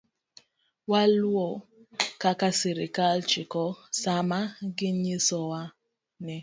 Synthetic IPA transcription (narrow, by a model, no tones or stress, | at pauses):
walwɔkakasiɾikalt͡ʃikɔsamaɡɪɲisɔwa | nɛ